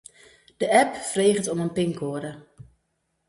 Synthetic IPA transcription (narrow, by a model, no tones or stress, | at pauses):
d̥əʔɛpfreːχətɔmənpɪŋkʰoːəɾə